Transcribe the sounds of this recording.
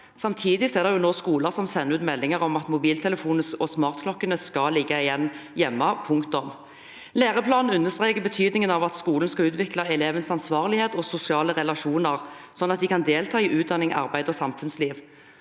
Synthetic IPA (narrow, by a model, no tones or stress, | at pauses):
sɑmt̪ʰiːd̪ɪsɔɛʁd̪ɛʁjʊnoːskuːləʁsɔmsɛnːəʉːt̪mɛlːɪŋəʁɔmɑt̪mʊbiːlt̪ʰɛləfuːnəsɔsmɑːʁt̪kʰlɔkːənəskɑlɪɡːɑɪjɛnːjɛmːɑpʰʊŋkt̪ʊm | leːʁəpʰlɑːnn̩ʉnːəst̪ʁeːkəbət̪ʰyːd̪nɪŋənɑʋɑt̪skuːlən̩skɑʉːt̪ʋɪklɑɛleːʋənsɑnsʋɑːʁlɪheːt̪ɔsʊsɪɑːləʁɛlɑʃuːnəʁsɔnːɑt̪̚d̪ɪkʰɑnd̪eːlt̪ʰɑːiʔʉːt̪̚d̪ɑnɪŋɑ̰ʁbæɪd̪ɔsɑmfʉnsliːʋ